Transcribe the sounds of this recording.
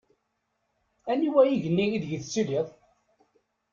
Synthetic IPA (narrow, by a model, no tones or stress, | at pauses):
æniwæjiʝənːiiðʝəðt͡sːiliðˤ